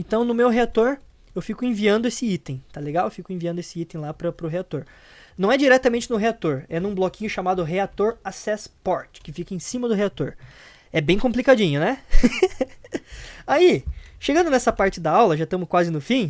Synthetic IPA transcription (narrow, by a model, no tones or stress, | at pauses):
ẽnt̪ɐ̃w̃nʊmewɦeat̪oɾ | ewfikʊẽviɐ̃nd̪ʊesɪit̪ẽj̃t̪aleɡawewfikʊẽviɐ̃nd̪esɪit̪ẽj̃lapɾɐpɾʊɦeat̪oɾ | nɐ̃w̃ɛd͡ʒiɾɛt̪ɐmẽnt͡ʃɪnʊɦeat̪oɾɛnũblɔkĩɲʊʃamad̪ʊɦeat̪oɾasɛspɔɾt͡ʃɪ̥kɪfikɐẽsĩmɐd̪ʊɦeat̪oɾ | ɛbẽj̃kõmplikad͡ʒĩɲʊnɛ | aiʃeɡɐ̃nd̪ʊnɛsɐpaɾt͡ʃɪd̪aawlɐʒat̪ɐ̃mʊskwazɪnʊfĩ